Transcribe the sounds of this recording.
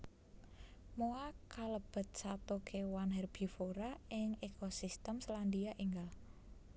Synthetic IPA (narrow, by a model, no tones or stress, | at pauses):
moakaləb̥ə̤t̪̚sat̪okʰewanɦɛrb̥i̤foɾaɪŋekosist̪əmsland̪iaʔiŋɡal